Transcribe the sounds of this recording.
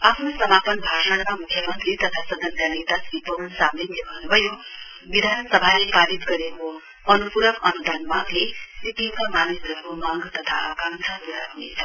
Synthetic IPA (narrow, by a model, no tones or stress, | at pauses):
apʰnosʌmapʌnbʱaʂaɽmamukʰjʌmʌnt̪ɾit̪ʌt̪ʰasʌd̪ʱʌntanet̪asipʌnsameneɦunbʱʌjo | bid̪ʱansʌbʱalepalit̪ɡʌɾeko | ʌnupuɾʌkʌnud̪ʱanmaɡlesit̪ikamanesʌɾukomaɡt̪ʌt̪ʰa̰kãŋsʰapuɾaknḛt͡sʰʌ